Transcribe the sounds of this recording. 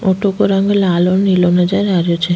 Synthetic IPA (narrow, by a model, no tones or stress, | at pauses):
oʈokoɾaŋɡelalonilonad͡ʑaɾaɾiot͡ʃʰe